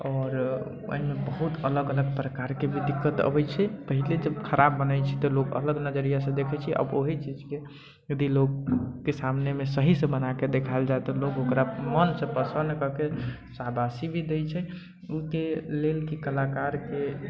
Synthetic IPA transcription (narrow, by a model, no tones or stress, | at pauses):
ɔːɾ | ə̰ɦimebəɦut̪ələɡələɡ̚pɾəkaɾkebʱid̪ikːət̪ə̰bɛt͡ʃʰɛpəɦiled͡ʒəbkʰəɾʔabːənət͡ʃʰi̥t̪ɔlokə̰ləɡnəd͡ʒəɾijasə̃d̪ekʰɛt͡ʃʰiʔə̰boɦit͡ʃid͡ʒke | jəd̪ilokːesamnemesəɦisə̃bənaked̪ekʰaeld͡ʒaet̪ɔloɡokɾamənsə̃pəsə̃nd̪kəke | sabʱasibʱid̪et͡ʃʰɛ | ukelelkikəlakaɾke